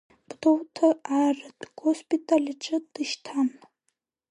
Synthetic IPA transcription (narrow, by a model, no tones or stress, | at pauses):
b̥dowtʰaarɨdɡospʼitʼalʲiʈ͡ʂʼɨd̥ɨʃtʰam